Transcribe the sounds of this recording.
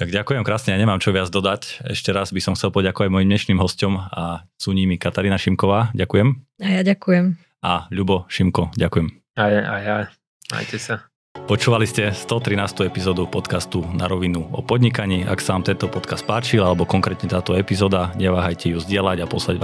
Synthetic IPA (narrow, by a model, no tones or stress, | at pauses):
t̪aɡɟakujɛmkɾaːsɲɛaɲɛmaːmt͡ʃɔʋɪad͡zd̪ɔd̪acɛ̰ʃcɛɾazbisɔmxt͡sɛlˠpɔɟakɔʋaɟmɔjimɲɛʃniːmɦɔscɔmasuɲimikat̪aɾiːnaʃimkɔʋaːɟakujɛmajaɟakujɛm | aʎubɔʃimkɔɟakujɛm | ajaja | na̰jcɛsa | pɔt͡ʃuːʋaliscɛst̪ɔt̪ɾinaːst̪uɛpizɔːd̪upɔt̪kast̪unʔa̰ɾɔʋinuɔ̰pɔd̪ɲikaɲiːʔa̰ksaʋaːmt̪ɛnt̪ɔpɔt̪kast̪̚paːt͡ʃilalɛbɔkɔŋkɾɛːt̪ɲɛt̪aːt̪ɔɛpizɔːd̪aɲɛʋaːɦajcɛjuzɟɪɛlaɟapɔslaɟa